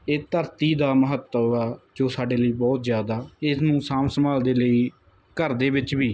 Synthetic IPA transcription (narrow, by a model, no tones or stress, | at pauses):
eːt̪əɾt̪iːd̪aːməɦət̪ːəʋɛːd͡ʒoːsaːɖeːləiːbɔːt̪zjaːd̪aːɪsnũːsaːmsəmaːld̪eːləiː | kəɾd̪eːbɪt͡ʃbiː